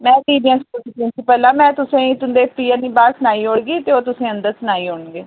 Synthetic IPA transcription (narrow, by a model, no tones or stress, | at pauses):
mɛ̃ːdiːbə̃nskolsipɪ̃nsʰipəlaːmɛ̃ːt̪ʊsẽːĩːt̪ʊnd̪eːpiːãnĩːbaːsnaːiːɦoːɽɡiːt̪eːoːt̪ʊsẽːə̃nd̪əɾsnaːiːɦoːɳɡeː